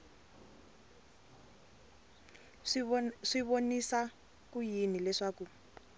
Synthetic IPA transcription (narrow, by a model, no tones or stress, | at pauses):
ʂiβonisa | kujinilɛʂaːku